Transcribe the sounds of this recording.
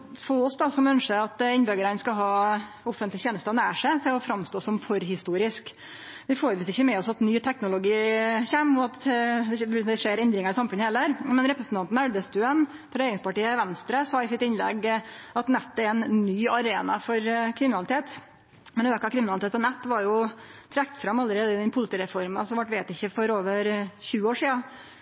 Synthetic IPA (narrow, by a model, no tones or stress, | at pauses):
fɔɔsd̪ɑsɔmœnʂəɾɑt̪ɪnbœɡəɾənskɑɦɑː | ɔfənt̪lɪçeːnəst̪ɑnæːʂæɪt̪ʰɪlɔfɾɑmst̪oːsɔmfɔɾhɪst̪uːɾɪsk | ʋɪfoːɾəʋiːsɪçːəmɛɔsɑt̪nyːt̪ʰɛknʊlʊɡiːçɛmɔɑt̪d̪ɛd̪ɛʂeːɾɛnd̪ɾɪŋɑɾɪsɑmfʉnːəhɛlæɾmɛnɾɛpɾəsən̩t̪ʰɑnt̪n̩æɽʋəst̪ʉːən | pʰɔɾɛjeːɾɪŋspɑʈiːəʋɛnst̪ɾəsɑɪsɪt̪ɪnlɛ̰ɡʔɑt̪nɛt̪ːɛɾɛnnyːɑɾeːnɑfɔɾkʰɾɪmɪnɑlɪt̪ʰeːt̪ | mɛnøːkɑkʰɾɪmɪnɑlɪt̪eːt̪̚p̪ʰːɔnɛt̪ːʋɑɾjʊt̪ʰɾɛkt̪fɾɑmɑlːəɾeːd̪əɪd̪ɛnpʰʊlɪt̪iːɾɛfɔɾmɑsɔʋæʈːʋeːt̪ɪçːəfɔɾoːʋəɾçʉːəoːʂiːɑ